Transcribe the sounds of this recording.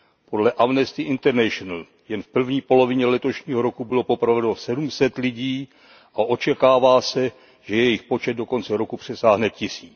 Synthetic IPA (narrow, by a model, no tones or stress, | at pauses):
po̞dlɛʔamnɛst̪ɪʔɪnt̪ɛɾnɛʃonal | jɛnfpr̩vɲiːpo̞lo̞vɪɲɛlɛt̪o̞ʃɲiːɦo̞ɾokubɪlo̞po̞pɾavɛnosɛdumsɛt̪lɪɟiː | ʔaʔo̞t͡ʃɛkaːvaːsɛ | ʒ̥ɛjɛjɪxpo̞t͡ʃɛd̪̚do̞ko̞nt͡sɛɾo̞kupr̝̥ɛsaːɦnɛcɪsiːt͡s